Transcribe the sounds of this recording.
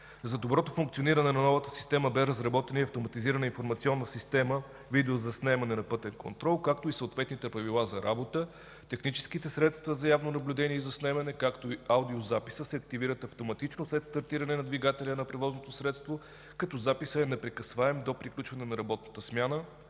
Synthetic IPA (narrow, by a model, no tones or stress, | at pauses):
zɐd̪obɾɔt̪ofuŋkt̪sioniɾɐnɛnɐnɔvət̪ə̥si̥st̪ɛməbɛɾɐzɾɐbɔt̪ɛniɐft̪omɐt̪iziɾənəinfoɾmɐt̪siɔnːəsist̪ɛmə | vid̪ɛozɐsnɛmɐnɛnɐpɤt̪ɛnko̰nt̪ɾɔlˠkak̚t̪oisəot̪vɛt̪nit̪ɛpɾɐvilˠazɐɾʔabot̪ə | t̪ɛxnit͡ʃɛ̥skit̪ɛsɾɛt̪st̪vəzɐjavnonɐblʲud̪ɛniɛizɐsnɛmɐnɛkakt̪oiawd̪iozapi̥səsɛɐk̚t̪iviɾət̪ɐft̪omɐt̪it͡ʃnoslɛt̪st̪ɐɾt̪iɾɐnɛnɐd̪viɡat̪ɛlʲənɐpɾɛvɔznot̪osɾɛt̪st̪vo | kɐt̪ɔzapisəɛnɛpɾɛkɐsvaɛmd̪opɾiklʲut͡ʃvɐnɛnɐɾɐbɔt̪nət̪əsmʲjanə